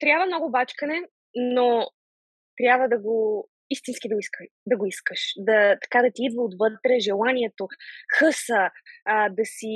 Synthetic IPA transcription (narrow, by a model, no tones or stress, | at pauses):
t̪ɾʲjabvəmnɔɡʊbat͡ʃkənɛ | no | t̪ɾʲabvəd̪ɐɡo | ist̪insk̟id̪ɐɡiskəd̪ɐɡoiskəʃd̪ɐt̪ɐ̥kad̪ɐt̪iid̪vəot̪vɤt̪ɾɛʒɛlˠaniɛt̪oxɤsəː | d̪ɐsi